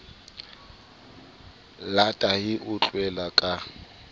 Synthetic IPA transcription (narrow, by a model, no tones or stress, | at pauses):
latʼahɪʔʊt͡ɬʼwɛlakʼa